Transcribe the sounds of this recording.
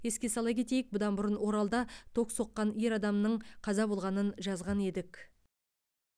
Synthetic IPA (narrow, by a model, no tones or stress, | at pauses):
je̞skʲe̞sɑlˠɑjkʲʰe̞t̪e̞jɪk̚bʊd̪ɑnbʊɾənwo̞ɾɑlˠd̪ɑt̪ʰo̞kso̞qːɑne̞ɾɑd̪ɑmnəɴqʰɑzɑbo̞lˠʁɑnənʒɑzʁɑne̞d̪ɪk